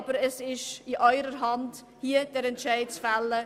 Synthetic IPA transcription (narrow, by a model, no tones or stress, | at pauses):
b̥əɾɛsɪʃɪʔɔʏɾəɾɦɑnd | hiəd̥ɛɾɛntʃæɪt͡sfalːə